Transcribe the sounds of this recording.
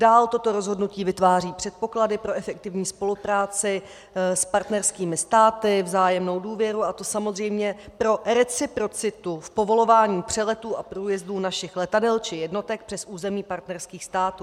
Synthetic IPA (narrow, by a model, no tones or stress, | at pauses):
daːlt̪o̞t̪o̞ɾo̞zɦo̞dnuciːvɪt̪vaːr̝iːpr̝̥ɛt̪̚po̞kladɪpɾo̞ʔɛfɛkt̪ɪvɲiːspo̞lupɾaːt͡sɪ | spaɾt̪nɛɾskiːmɪst̪aːt̪ɪvzaːjɛmno̞wduːvjɛɾuʔat̪o̞samo̞zr̝ɛjmɲɛpɾo̞ɾɛt͡sɪpɾo̞t͡sɪt̪ufpo̞vo̞lovaːɲiːpr̝̥ɛlɛt̪uːʔapɾuːjɛzduːnaʃɪxlɛt̪adɛlt͡ʃɪjɛdno̞t̪ɛk̚pr̥ɛsʔuːzɛmiːpaɾt̪nɛɾskiːxst̪aːt̪uː